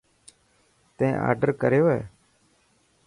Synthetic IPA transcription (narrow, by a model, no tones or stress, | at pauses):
t̪ẽːʔa̰ːɾɖəɾkəɾejoːɦḛː